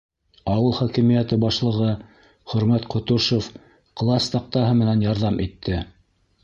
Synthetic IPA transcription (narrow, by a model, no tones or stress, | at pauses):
ɑwɤlˠχækɘ̆mijæt̪ɘbɑʃlˠɤ̆ʁɤ | χɵ̆ɾmæt̪qŏt̪uʃof | qlˠɑst̪ɑq̚t̪ɑɦɤmɘ̆nænjɑɾðɑmʔit̪ʰːɘ